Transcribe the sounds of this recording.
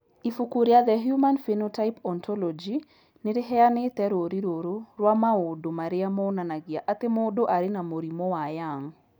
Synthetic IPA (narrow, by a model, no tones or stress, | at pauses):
ifukuɾjad̪ɛɦjumanfenotajpɔntʰɔlɔd͡ʒi | nɪɾɪɦɛanɪt̪ɛɾoɾiɾoɾoɾwamaodomaɾɪamɔnanaɡɪaʔat̪ɪmɔdoʔaɾɪnamoɾimɔwajaŋ